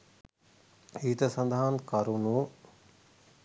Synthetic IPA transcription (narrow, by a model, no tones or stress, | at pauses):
iːt̪əsɐnd̪aɦankɐɾunu